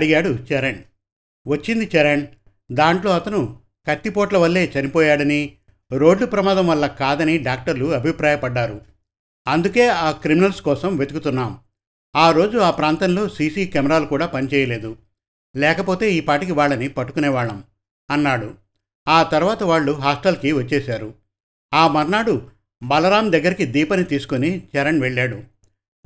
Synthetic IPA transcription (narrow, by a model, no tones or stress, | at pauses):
ɽiɡaːɽut͡ʃɛɾɐɳɖ | ʋɐt͡ʃːind̪it͡ʃɛɾɐɳ | d̪aːɳʈlo̞ːɐt̪ɐnu | kɐt̪ːipoːʈlɐʋɐlːe̞ːt͡ʃɐnipɔːjaːɽɐni | ɾo̞ːɖlupɾɐmaːd̪ɐmʋɐlːɐkaːd̪ɐniɖaːk̚ʈɐɾluɐbʱipɾaːjɐpɐɖːaːɾu | ɐnd̪uke̞ːaːkɾiminɐlskɔːsɐmʋe̞d̪ukut̪unːaːm | aːɾo̞ːd͡ʒuaːpɾaːnt̪ɐnlo̞ːsiːsiːkɛmɐɾaːlukuːɽaːpɐnit͡ʃɛːjɐle̞ːd̪u | lɛːkɐpo̞ːt̪e̞ːiːpaːʈik̬iʋaːɭːɐnipɐʈːu̥kunɛːʋaːɭːɐm | ɐnːaːɽu | aːt̪ɐɾuʋaːt̪ɐʋaːɭːuɦaːsʈɐlkiʋɐt͡ʃːɛːsaːɾu | aːmɐɾnaːɽu | bɐlɐɾaːmd̪ɐɡːɐɾikid̪iːpɐnit̪iːsu̥konit͡ʃɛɾɐɳʋeɭːaːɽu